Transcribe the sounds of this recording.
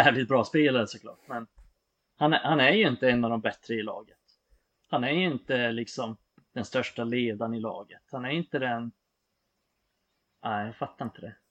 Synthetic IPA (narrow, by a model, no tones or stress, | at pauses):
æːvlɪt̪̚bɾɑːspeːlaɾəsɔkʰlɑ̰ːʈmɛn | hanæhanæɾjɵɪnt̪əɛnːɑvd̪ɔmbɛt̪ɾəɪlɑ̰ːɡət̪ | hanæɾjɵɪnt̪əlɪksɔm | d̪̥ɛnst̪œʂʈaleːd̪anɪlɑ̰ːɡət̪hanæjɪnt̪əd̪ɛn | aɪjɑfat̪ːaɾɪnt̪ʰəd̪ɛ